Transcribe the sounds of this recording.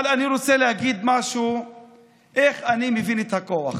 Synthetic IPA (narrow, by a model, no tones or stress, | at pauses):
laniɾot͡selehaɡid̪maʃu | ʔeχanimevinet̪hakoaχ